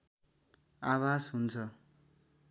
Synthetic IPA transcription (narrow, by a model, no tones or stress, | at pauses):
awasɦunt͡sʰʌ